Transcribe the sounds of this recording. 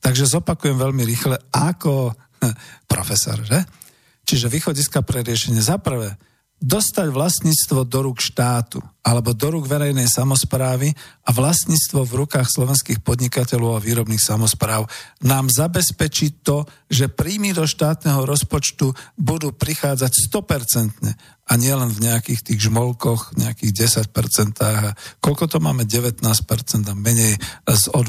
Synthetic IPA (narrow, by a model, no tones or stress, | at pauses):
t̪aɡʒɛzɔpakujɛmʋɛʎmiɾixlɛakɔ | pɾɔ̰fɛsɔ̰ɾʒɛ | t͡ʃiʒɛʋiːxɔɟiskapɾɛɾɪɛʃɛɲɪɛzapr̩ʋɛː | d̪ɔst̪aɟʋlasɲiːt͡st̪ʋɔd̪ɔɾuːkʃt̪aːt̪ṵalɛbɔd̪ɔɾuːɡʋɛɾɛjnɛjsamɔspɾaːʋiaʋlasɲiːt͡st̪ʋɔvɾukaːxslɔʋɛnskiːxpɔd̪ɲikacɛlɔʊaʋiːɾɔbniːxsamɔspɾaːʊnaːmzabɛspɛt͡ʃit̪ɔʒɛpɾiːmid̪ɔʃt̪aːt̪nɛɦɔɾɔspɔt͡ʃt̪ubud̪uːpɾixaːd͡zacst̪ɔpɛɾt͡sɛnt̪ɲɛ̰ | aɲɪɛlɛnvɲɛakiːxt̪iːɣʒmɔlkɔxɲɛakiːɣɟɛsac̚pɛɾt͡sɛnt̪aːɣakɔʎkɔt̪ɔmaːmɛɟɛʋɛt̪naːspɛɾt͡sɛnd̪amɛɲɛjzɔd̪